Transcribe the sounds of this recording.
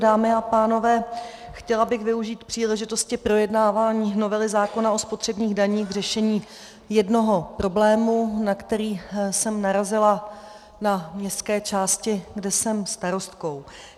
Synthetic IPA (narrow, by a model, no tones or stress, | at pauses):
daːmɪapaːno̞vɛː | xcɛlabɪɣvɪuʒiːt̪pr̥iːlɛʒɪt̪o̞scɪpɾo̞jɛdnaːvaːɲiːno̞vɛlɪzaːko̞naospo̞t̪r̝̥ɛbɲiːɣdaɲiːxɡr̝ɛʃɛɲiː | jɛdno̞ɦo̞pɾo̞blɛːmunakt̪ɛɾiːsɛmnaɾazɪla | namɲɛst̪kɛːt͡ʃaːscɪɡdɛsɛmst̪aɾo̞st̪ko̞w